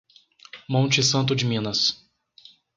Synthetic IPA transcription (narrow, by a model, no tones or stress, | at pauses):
mõnt͡ʃɪsɐ̃nt̪ʊd͡ʒɪmĩnɐs